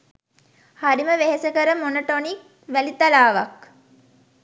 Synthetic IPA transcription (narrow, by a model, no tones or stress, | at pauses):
haɾiməʋeɦesəkəɾəmonoʈonik̚ | ʋælit̪alaːʋak